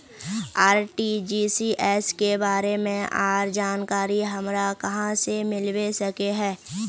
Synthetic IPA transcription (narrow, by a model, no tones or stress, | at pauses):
aːɾʈid͡ʒiːsiʔɛːskebaːɾemẽʔaːɾd͡ʒaːnkaːɾiɦɐmɾakɐɦãsemɪlwesɐkeɦɛ̃ː